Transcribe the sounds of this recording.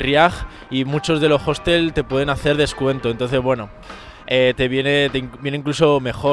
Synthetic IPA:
rjaɣ | imut͡ʃo̞zðe̞lo̞xo̞st̪e̞lt̪e̞pwe̞ð̞e̞naθe̞ɾð̞e̞skwe̞nt̪o̞nt̪o̞nθe̞zβwe̞no̞ | et̪eβjenet̪eŋbje̞neiŋkluso̞me̞xo̞

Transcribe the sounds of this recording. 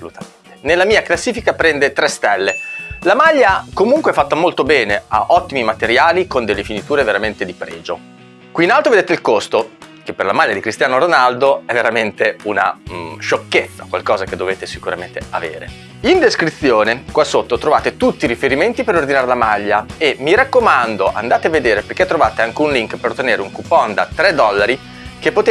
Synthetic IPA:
solut̪ament̪enelːamiːaklasːiːfikapɾɛnd̪et̪ɾɛst̪ɛlːelamaʎːakomuŋkweɛfat̪ːamolt̪obɛːnea̰ʔɔt̪ːimimat̪eɾjaːlikond̪elːefinit̪uːɾeveɾament̪ed̪ipɾɛ̰ːd͡ʒo̰ | kwiːnalt̪oved̪eːt̪eilkost̪ok̟epːerlamaʎːad̪ikɾist̪jaːnoɾonald̪oɛveɾament̪euna̰ɛʃokːet̪sːakwalkɔːzaked̪ːoveːt̪esikuɾament̪ea̰vḛːɾḛ | ind̪eskɾit̪sːjoːnekwasːot̪ːot̪ɾovaːt̪et̪ut̪ːiɾifeɾiment̪ipeɾord̪inaːɾelamaʎːaemiɾakːomand̪oʔa̰nd̪aːt̪eavːed̪eːɾeperket̪ːɾovaːt̪eaŋkeunliŋkpeɾot̪ːeneːɾeuŋkupːɔnd̪at̪ɾɛd̪ɔlːaɾi | k̟epːot̪

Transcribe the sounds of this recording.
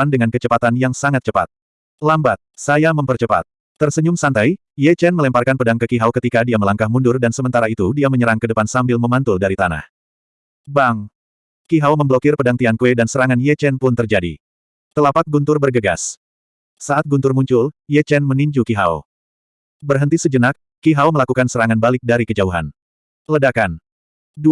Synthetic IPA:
andəŋankət͡ʃəpat̪anjaŋsaŋat̪̚t͡ʃəpa̰t̪̚ | lambat̪̚sajaməmpərt͡ʃəpa̰t̪̚ː | ərsəɲʊmsant̪aj | jɛt͡ʃɛnməlɛmparkanpədaŋkəkiɦawkət̪ikadiaməlaŋkahmundʊrdansəmənt̪aɾait̪udiaməɲəɾaŋkədəpansambɪlməmant̪ʊldaɾit̪ana̰h | baŋ | kiɦawməmbəlokɪrpədaŋt̪iaŋkuɛdansəɾaŋanjɛt͡ʃɛnpʊnt̪ərd͡ʒadḭ | t̪əlapat̪̚ɡunt̪ʊrbərɡəɡa̰s | saʔat̪̚ɡunt̪ʊrmuɲt͡ʃʊljɛt͡ʃɛnməniɲd͡ʒukiɦa̰o | bərɦənt̪isəd͡ʒənak̚ː | iɦawməlakukansəɾaŋanbalɪk̚daɾikəd͡ʒauɦa̰n | lədakan | du

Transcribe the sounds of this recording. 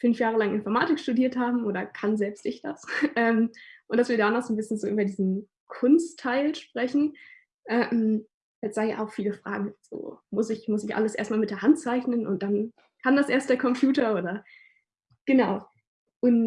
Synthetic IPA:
fʏnfjaːʁəlaŋʔɪnfɔɐmaːtɪkʃtudiːɐthaːbm̩ʔoːɾɐkʰanzɛlpstɪçd̥a̰sʔɛːmʔʊnt̚d̥asv̥iːɐaːnaxz̥oːnbɪsçənzoːʔyːbɐdiːzn̩ | kʰʊnstʰːaɪlʃpʁ̥ɛçn̩ | ʔɛm | jɛz̥aɪnja̰ʔa̰ʊxfiːləfʁ̥a̰ːɡŋ̩z̥o̰ːmʊsɪçmʊsɪçʔa̰ləsʔḛːɐstmaːlmɪtd̥eːɐɦant̚t͡saɪçnənʔʊ̰nt̚d̥an | kʰaːmdasʔeːɐstd̥eːɐkʰɔmpjuːtɐoːdɐ | ɡ̥ənaʊ | ʔʊn

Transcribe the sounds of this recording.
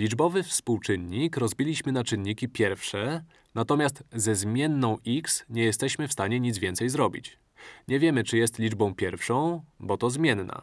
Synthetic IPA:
lʲid͡ʐbɔvɘfspuwt͡ʂɘnɲikɾɔzbʲilʲiɕmɘnat͡ʂɘnːikʲipʲjɛɾfʂɛ | nat̪ɔmʲast̪zɛzmʲjɛnːɔ̃w̃ʔiksɲɛjɛst̪ɛɕmɘfst̪aɲɛɲid̪zvʲɛnt̪sɛjzɾɔbʲḭt͡ɕ | ɲɛvʲjɛmɘt͡ʂɘjɛst̪lʲid͡ʐbɔ̃w̃pʲjɛɾfʂɔ̃w̃bɔt̪ɔzmʲjɛnːa̰

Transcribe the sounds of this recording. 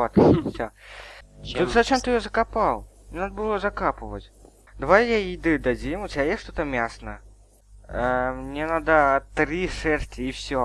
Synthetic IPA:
ot̪sʲa | t̪ut̪zat͡ɕemt̪ɨjozəkapalˠmnʲenad̪əbɨlˠozɐkapɨvət͡sʲ | d̪ɐvajjaid̪ɨd̪ad͡zʲimʊtʲjʲajeʂt̪ot̪əmʲasnə | mnʲenad̪ət̪ɾiʂɛrtʲɪːfsʲo

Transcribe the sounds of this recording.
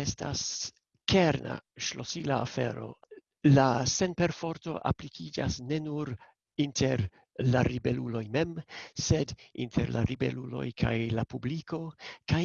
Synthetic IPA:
estas | keɾna̰ʃlosilaafḛɾo̞̰ | lase̞npe̞ɾfo̞ɾto̞̰ʔaplikʰid͡ʒasne̞nuɾ | intʰeɾ | laɾibelulo̞jme̞msedintʰḛɾla̰ɾibḛlulo̞̰jkʰajlapubliko̞ka

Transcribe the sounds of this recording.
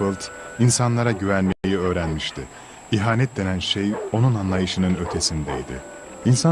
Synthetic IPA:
ɯlʲˠt̪insanlˠaɾaɟyvænlʲime̞jiø̞ːɾænmiʃt̪ʰɪ | iɦaːnɛt̪̚d̪e̞nænʃejo̞nunanlˠajɯʃɯnɯnø̞t̪ʲʰe̞sind̪ɛḭd̪ɪ̰ | insa

